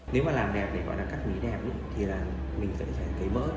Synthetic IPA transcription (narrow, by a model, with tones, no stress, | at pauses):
ne˨˦wmaː˨˩laː˨˩mɗɛ˨˩p̚na˨˩kɔ̰˧˨˦jlaː˨˩kaː˦˥k̚mḭ˨˦nɛ˨˩p̚n˧˦t̪ʰi˨˩laː˨˩ | mï˨˩ŋ̟sə̰˧˥zaː˨˩ŋkə˨˦jməː˦˥t̚